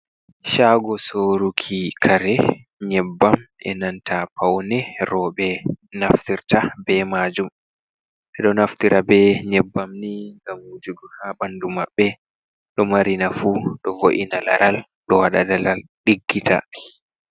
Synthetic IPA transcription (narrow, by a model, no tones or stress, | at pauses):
ʃaːɡɔsoɾukʰikʰaɾɛ | ɲɛbːamʔɛ̰nantʰapʰawnɛɾɔɓɛnaftiɾtabɛmad͡ʒum | ʔɛɗɔnaftiɾʔabɛɲɛbːamniŋɡamhud͡ʒuɡɔhabandumaɓːɛ | ɗɔmaɾinafuɗɔvoʔinala̰ɾʔal | ɗɔwaɗadalalɗiɡːitʰa̰